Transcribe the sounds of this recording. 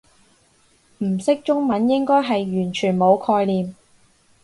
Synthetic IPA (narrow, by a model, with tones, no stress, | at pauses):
m̩˨˩sɪ˥k̚t͡ʃʊ˥ŋmɐ˨˥njɪ˥ŋkɔː˥jɦɐ˨jɥyː˨˩nt͡ʃʰyː˨˩nmo˨˧wkʰɔː˧jliː˨m